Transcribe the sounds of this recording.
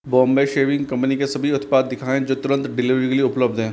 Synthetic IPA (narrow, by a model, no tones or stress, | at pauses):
bɔ̃ːmbeʃeːʋɪ̃ŋɡkɐ̃mpnikesɐbʱiʊt̪paːd̪ːɪkʰaːẽd͡ʒoːt̪ʊɾə̃nt̪ɖɪliɾɪkliʊpləb̚d̪ɦɛ̃ː